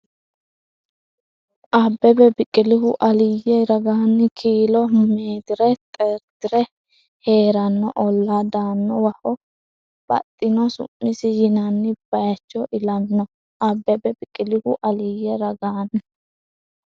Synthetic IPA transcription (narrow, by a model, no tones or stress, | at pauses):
ʔɐbːɛbɛbɪkʼɪlɪhʊʔɐlɪjɛɾɐɡanːɪkʰiːlɔmeːd̪ɪɾɛt̪ʼɛɾt̪ɪɾɛ | he̞ːɾɐnːɔʔɔlːad̪aːnːɔwɐhɔ | b̥ɐ̰t̪ʼːɪnɔsʊ̰mːɪsɪjɪnɐnːɪb̥ɐjɐt͡ʃːɔʔɪlɐnːɔ | ʔɐbːɛbɛbɪkʼːɪlɪhʊʔɐlɪjɛɾɐɡaːnːɪ